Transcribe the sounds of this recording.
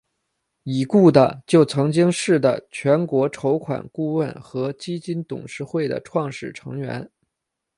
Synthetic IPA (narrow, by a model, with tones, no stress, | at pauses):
i˨˩ku˥˩d̪ə˩t͡ɕjo˥˩ʊt͡sʰɤ˧˥ŋt͡ɕi˥ŋʂɻ̩˥˩d̪ə̰˩t͡ɕʰɥɛ˧˥nkwɔ˧˥ʈ͡ʂʰo˧˥ʊkʰwa̰˨˩nku˥˧wə˥˩nxɤ˧˥t͡ɕi˥t͡ɕi˥nt̪ʊ̰˨˩ŋʂɻ̩˥˧xwe˥˩ɪd̪ə̰˩ʈ͡ʂʰwɑ˥˧ŋʂɻ̩˥˩ʈ͡ʂʰɤ̰˧˥ŋɥɛ̰˧˥n